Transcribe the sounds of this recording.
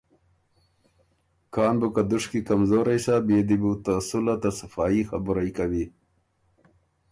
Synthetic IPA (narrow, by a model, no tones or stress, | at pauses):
kʰɑːnbukad̪ʊʂkikamzoːɾajsabeːd̪ibut̪asulat̪asafɑːixabʊɾajkawi